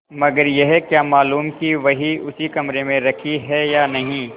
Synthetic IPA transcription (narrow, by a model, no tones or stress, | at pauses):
mɐɡəɾjɛɦkjaːmaːluːmkiʋɐɦiʊsikɐmɾemẽɾɐkʰiɦɛjaːnɐɦĩ